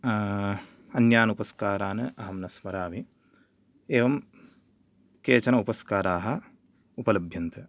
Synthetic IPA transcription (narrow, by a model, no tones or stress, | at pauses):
ɐnjaːnupɐskaːɾaːnɐʔɐɦɐmnɐsmɐɾaːʋi | eːʋɐm | keːt͡ʃɐnɐupɐskaːɾaːɦɐ̆ | upɐlɐbʱjɐnt̪ʰɐ